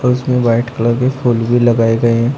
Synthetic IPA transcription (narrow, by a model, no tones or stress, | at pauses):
ʊsmẽbaːɪʈkləbkefʰulbʱilɐɡaːeɡɐeɦɛ̃ː